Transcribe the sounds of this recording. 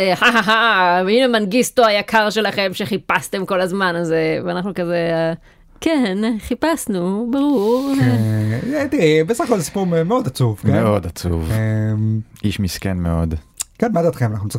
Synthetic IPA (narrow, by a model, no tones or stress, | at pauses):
eħaɦaɦainemanɡistoajakʰaʁʃe̞laχe̞mʃe̞χipast̪e̞mko̞lazmanazeveanaχnukaze | kenχipasnubaʁuʁ | et̪ibesaχakolzesi̥puʁmemeod̪at͡suvkemeo̞dat͡sṵvemʔiʃmiskenmeo̞d̪kenmad̪at̪χemanaχnut͡s